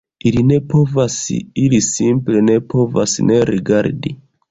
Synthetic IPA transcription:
iline̞po̞vasilisimple̞ne̞pʰo̞va̰sne̞ɾiɡaɾdi

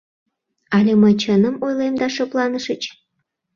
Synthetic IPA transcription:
ɑlʲeməjt͡ɕənə̆mojlemd̪ɑʃɤplˠɑnəʃə̆t͡ɕ

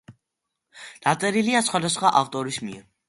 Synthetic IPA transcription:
d̪̥at̪sʼɛɾiliasχwad̪asχwaʔaft̪ʼɔɾismiɛ

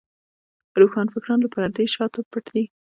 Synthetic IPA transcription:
ɾoxɑnfɪkɾɑnlapaɾaɾd̪eʃɑt̪opəʈd̪i

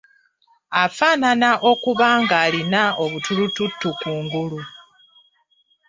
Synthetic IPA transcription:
afaːnanaʔo̞kuβaːŋɡaːlinao̞βutʰulututːukuːŋɡulu

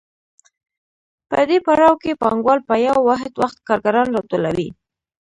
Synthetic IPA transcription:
pəd̪epaɽɑwkepɑŋɡwɑlpəjawwaɦt̪waxt̪kɑɾɡaɾɑnɾɑt̪ulawi

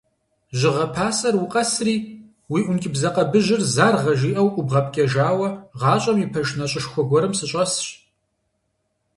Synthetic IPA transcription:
ʒɪʁɐpʰaːsɐrwʊqʼɐsriː | wiːʔʷʊnkʲʼɪbzɐqɐbɨʒɪrzaːrʁɐʒiːʔɐwʔʷʼʊbʁɐp̚ʰkʲʼɐʒaːwɐʁɑːɕʼɐmipʰɐʒnɐɕʼɪʂxʷɔɡʷɔɾɨmsɨɕʼɐsɕ

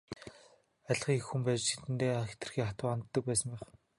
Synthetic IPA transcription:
aɮχiːŋexxumpæːt͡ɕt͡ɕʰet̪ɘ̆nt̪eːxe̥t̪ɘ̆rxiːχat̪wʊːant̪ːə̆k̚pæːsə̆mpæχ

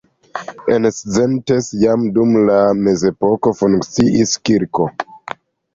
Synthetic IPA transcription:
enszentesjamdumlame̞ze̞po̞ko̞fuŋkt͡siʔiskiɾko̞

